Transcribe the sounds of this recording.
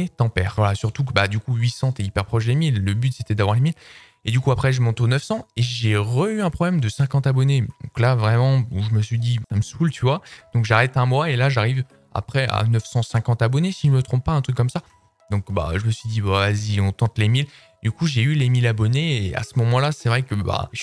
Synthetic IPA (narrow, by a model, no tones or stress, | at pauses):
et̪ɑ̃pɛ̰ʁvwalasyʁt̪ukbad̪ykuɥisɑ̃t̪ɛipɛʁpχɔʃd̪emilːəbyt̪set̪ɛd̪avwaʁlemil | ed̪ykuapχɛʒəmɔ̃t̪onœfsɑ̃eʒeʁəyɛ̃pχɔblɛmd̪əsɛ̃kɑ̃t̪abɔned̪ɔ̰̃klavʁɛmɑ̃uʒəməsɥid̪isaməsult̪ʰyvwad̪̥ɔ̃kʒaʁɛt̪ɛ̃mwaelaʒaʁiv | a̰pχɛa̰nœfsɑ̃sɛ̃kɑ̃t̪abɔnesiʒəmət̪χɔ̃p̚ːaɛ̃t̪χykːɔmsa | d̪ɔ̃kba̰ʒəməsɥid̪ibɔvaziɔ̃t̪ɑ̃t̪lemil | d̪ykuʒeylemilabɔneːa̰səmɔmɑ̃lasɛvʁɛkəba̰